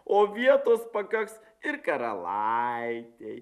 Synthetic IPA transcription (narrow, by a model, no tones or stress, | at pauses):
oːʋʲiɛt̪oːspɐkɐks | ɪɾkɐɾɐ̰lˠaɪt̪ʲɛj